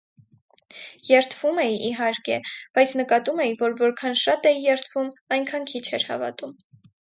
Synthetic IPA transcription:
jɛɾt̪ʰv̥umɛjiɦɑɾkɛb̥ɑjt͡sʰnəkɑt̪umɛjivɔɾvɔɾkʰɑnʃɑt̪ɛjjɛɾt̪ʰv̥umɑjŋkʰɑnkʰit͡ʃʰɛɾhɑ̰vɑ̰t̪um

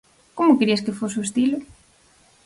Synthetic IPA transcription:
komʊkɾiɐskefosoest̪ilʊ

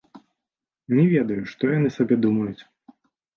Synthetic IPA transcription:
nʲɛvʲɛd̪ɐjuʂt̪ɔjanɨsabʲɛd̪umɐjut͡sʲ

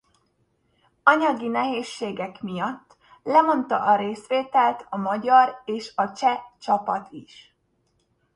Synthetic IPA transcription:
ɒɲɒɡinɛɦeːʃːeːɡɛkmijɒt̪ː | lɛmo̞nt̪ɒʔɒɾeːsʋeːt̪ɛlt̪ɒmɒɟɒreːʃɒt͡ʃɛt͡ʃɒpɒt̪ʰiʃ

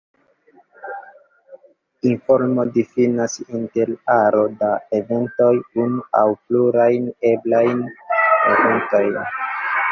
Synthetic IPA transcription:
info̞ɾmo̞difinasinte̞laɾo̞dae̞ve̞nto̞junuawpluɾajne̞blajneve̞nto̞jn

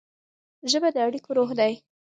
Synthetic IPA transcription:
ʒəbad̪əaɽikoɾoxd̪aj

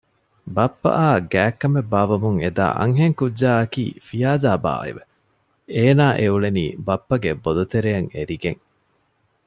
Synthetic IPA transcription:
bɐpːɐ̰ʔaːɡæːkːɐmebːaːʋɐmuŋed̪a̰ːʔɐ̰ŋɦeŋkudːaːɐkḭːfijaːzaːba̰ːḛʋe | eːnaːʔeuɭeniːbɐpːɐɡebod̪ut̪eɾejɐŋeɾiɡeŋ

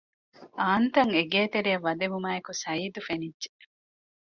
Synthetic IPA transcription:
aːnt̪ɐŋeɡeːt̪eɾijɐʋːɐd̪emumaːekusɐiːd̪ufenidʒe

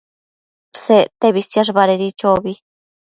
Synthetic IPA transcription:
pset̪eβisjaʐbaɾeɾit͡ʃobi

